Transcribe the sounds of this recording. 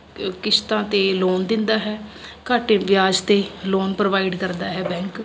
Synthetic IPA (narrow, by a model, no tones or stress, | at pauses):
kɪst̪ãːt̪eːloːnd̪ɪnd̪aːɦɛːkaːʈeʋjaːd͡ʒt̪eːloːnpɾəʋaːɪɖkəɾd̪aːɦɛːbɛ̃ːŋk